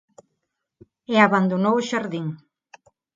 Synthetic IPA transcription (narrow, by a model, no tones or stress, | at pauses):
eaβand̪onooʃaɾðiŋ